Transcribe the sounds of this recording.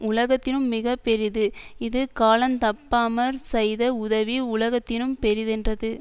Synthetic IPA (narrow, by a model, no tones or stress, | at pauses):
ʊlɐɣɐt̪ːɪnɯmːɪɣɐpːɛɾɪðɯɪðɯkaːlɐnt̪ɐpːaːmɐɾsɛjðɐʊðɐʋiʊlɐɣɐt̪ːɪnɯmpɛɾɪðɛndrɐðɯ